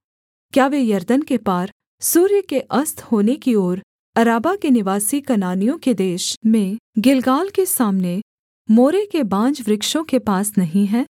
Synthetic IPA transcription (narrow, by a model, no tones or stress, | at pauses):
kjaːʋejɐɾd̪ənkepaːɾ | suːɾjəkeʔɐst̪ʰhoːnekioːɾ | ɐɾaːbakenɪʋaːsikɐnaːnijõked̪eːʃmẽɡɪlɡaːlkesaːmne | moːɾekebãːd͡ʒʋɾɪkʃõkepaːsnɐɦĩɦɛ̃ː